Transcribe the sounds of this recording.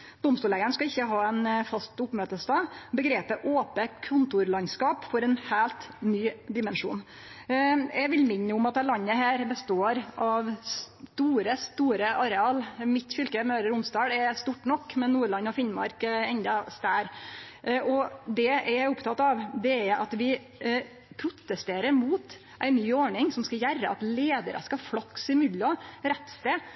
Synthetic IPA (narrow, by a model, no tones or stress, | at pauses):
d̪ɔmst̪uːlæɪənskɑɪçːəɦɑːɛnfɑst̪ʊpmøːt̪əst̪ɑːbəɡɾeːpəʔoːpəkʰʊnt̪ʊɾlɑnskɑːpfɔɾɛnhæːlt̪nyːd̪ɪmɛnʂṵːn | jʔɛʋɪlmɪɲːəʊmɑt̪ːælɑɲːəhæːɾbəst̪oːɾʔɑʋst̪uːɾəst̪uːɾəʔɑɾɛɑːlmɪt̪fʏlkəmøːɾəɾʊmsd̪ɑːɽɛɾst̪uːʈːnɔkːmɛnːuːɭɑnːɔfɪnmɑ̰ɾkɛnd̪ɑst̪æːɾ | ʔɔd̪ɛɛɾæʊpt̪ʰɑt̪ːɑʋd̪ɛæɾʔɑ̰t̪ʋɪ | pʰɾʊt̪ːəst̪eːɾəɾmuːt̪ | ʔæɪnyːɔɳɪŋsɔmskɑjæɾːə̰ɑ̰t̪leːd̪əɾʔə̰skɑfɽɑksɪmʏd̪ɔɾɛt̪ːst̪eː